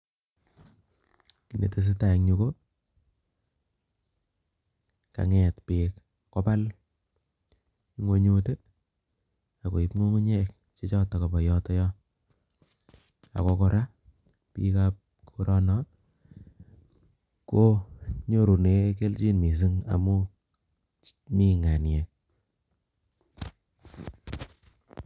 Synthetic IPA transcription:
ki˨nḛ˨te˦s̬e˦ta˦˨ŋɲu˧ko˦ | ka̰˨ŋɛ˨tpe˨k | kɔ˦pa˦l | i˦ŋwo˦ɲu˦te˦ | a˨ko˨i˨pŋo˦ŋu˦ɲe˦k̚ | t͡ʃe˦t͡ʃɔ˦ta˨ko˨bɔ˨jɔ˦tɔ˦jɔ˦ | a̰˨ko˨kɔ˦ɾa˦ | pḭ˦kap̚ | kʰu˦ɾɔ˦nɔ˨˦ | ko˦ɲo˦ɾu˨ne˨˦ke˦lt͡ʃi˦nmi˨s̬ɨ˦ŋa̰˨mu˦ | mi˦ŋa˨nje˨

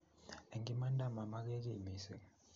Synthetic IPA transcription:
e˨ŋɡi˨˦ma˦ndʱa˦ma˨ma˦k̬ɛ˦k̬i˦˨mi˨sɛ˨

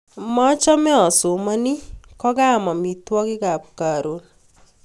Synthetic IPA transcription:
mɔ˦t͡ʃɔ˦mɛ˦ɔ˨sʊ˨ma˦ni˦kɔ˦ɡa˦˨ma˨mi˨twɔ˦kɪ˦ɡa˨p̚ka˨ɾo˨˦n

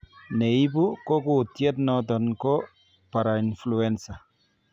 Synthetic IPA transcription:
ne˨i˦bu˦ko˦ku˦˨t̪je˦t̪nɔ˦t̪̬ɔ˨nko˦ | pa˨ɾa˨influɛ˦nsa˨

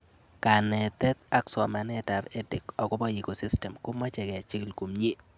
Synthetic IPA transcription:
ka˨nɛ˨t̪ɛ˦t̪̚a˦ksɔ˨ma˨nɛ˦ta˨ɾe˦dɪ˨kɔ˨ɡʊ˦bɔ˦i˨ko˨si˦stɛ˨mko˦ma˦t͡ʃɛ˨ɡɛ˨a˨t͡ʃɪ˦klko˨mɲe˦

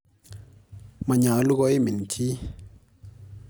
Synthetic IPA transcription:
ma˨ɲa˨˦lu˦ɡɔ˦i˦mi˨n˨tʰi˦

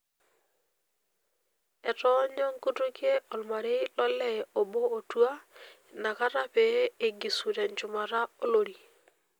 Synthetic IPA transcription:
ɛ˨tɔ˦ɲɔ˦ŋku˦tu˦ke˦ɔ˨lma˨ɾe˦lɔ˦lɛ˦˨o˨boː˦˨twa˦ | na˨ka˦ɾa˦pe˨˦e˨ɡi˨su˨ɾɛ˨ɲt͡ʃʊ˨ma˨ɾa˦o˦lo˨ɾi˨

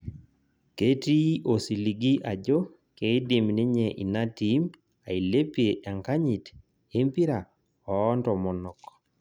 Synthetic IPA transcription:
ke˦ti˦ʔo˨si˨li˨ɡi˦ʔa˨d͡ʒo˦ | ke˨˦i˦di˨mni˦ɲe˨ʔḭ˨na˦ti˦m | a˨i˨le˦pje˨ʔa˨ŋka˦ɲi˨t | e˦mpi˦ɾa˨ | ɔː˨˦ntɔ˨mɔ˨nɔ˨kɔ̥

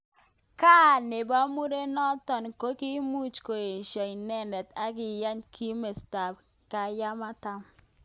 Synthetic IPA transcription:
ka˦˨ne˨ba˦mu˦ɾe˦nɔ˦tɔ˨nko˦ki˦mu˦t͡ʃko˨e˨ʃa˨i˨nɛ˦ndɛ˨ta˦ɡɪ˨ja˦ɲkʰi˦me˨sta˨b̚ | ka˨ja˦ma˦ta˦m

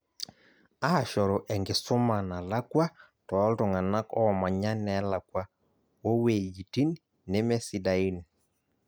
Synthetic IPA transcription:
a˦a˨ʃɔ˨ɾɔ˨ʔɛ˨ŋɡɪ˨sʊ˦ma˨na˨la˦kwa˦ | tɔː˨˦ltɔ˨ŋa˨na˦kɔ˦˨ma˨ɲa˦nɛ˨˦la˨kwa˦ | o˦we˨d͡ʒi˨ti˦nː | e˦mɛ˦si˨da˨i˦n

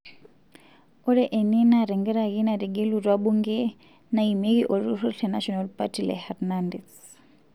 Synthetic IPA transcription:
ɔ˦ɾɛ˦ʔɛ˨nɛ˦naɾɛ˨ŋɡɛ˦ɾa˨kina˨ɾɛ˨ɡe˦lu˨twaɓu˦ŋɡɛ | na˨i˨me˦kiʔo˨ɾu˦rʰɔɬɛna̰ʃɔnalpa̰tʰilɛ̰haɾnandɛs

